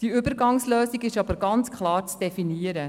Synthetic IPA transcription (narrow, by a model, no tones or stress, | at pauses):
d̥iʏbəɾɡɑŋsløːsiɡɪʃɑbəɾɡɑnt͡skʰlɑːɾt͡sd̥ɛfiniəɾə